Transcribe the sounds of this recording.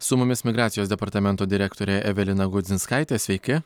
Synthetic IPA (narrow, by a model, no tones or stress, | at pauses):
sʊmʊmʲɪsmʲɪɡɾɑːt̪sʲɪjoːsd̪ʲɛpɐɾt̪ɐmʲɛnt̪oːd̪ʲɪɾʲɛkt̪oːɾʲeːʔɛʋʲɛlʲɪnɐɡʊd̪zʲɪnskɑɪt̪ʲeːsʲʋʲɛɪkʲɪ